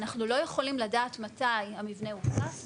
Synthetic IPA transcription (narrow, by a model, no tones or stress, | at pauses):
naχnulo̞jeχo̞limladaːtmatajhamivne̞utas